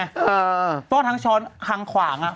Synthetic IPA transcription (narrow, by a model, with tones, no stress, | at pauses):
ʔɤː˧˩pʰɔː˦˥˩t̪ʰa˦˥ŋt͡ɕʰɔː˦˥nkʰa˧ŋkʰwaː˩˦ŋʔa˧˩